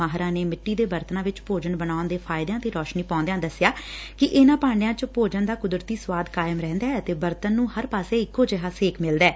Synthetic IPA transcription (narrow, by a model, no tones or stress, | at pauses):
aːɦɾãːneːmɪʈːiːd̪eːbəɾt̪ənãːʋɪt͡ʃpoːd͡ʒənbənaːʊnd̪eːpʰaːɪd̪ejãːt̪eːɾɔːʃniːpɔ̃ːnd̪ejãːd̪əsːjaːkɪʔɪnãːpãːɳɖɪjãːt͡ʃpoːd͡ʒənd̪aːkʊd̪ɾət̪iːsʋaːd̪kaːɪəmɾɛ̃ːnd̪aːət̪eːbəɾt̪ənːũːhəɾpaːseːɪkːoːd͡ʒeɦaːseːkʰmɪld̪ɛː